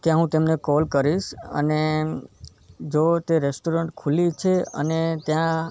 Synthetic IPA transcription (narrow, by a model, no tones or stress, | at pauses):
keɦũt̪emnekɔlkəɾiʃə̰ne | d͡ʒot̪eɾesʈoɾəɳʈkʰulit͡ʃʰeə̰net̪jã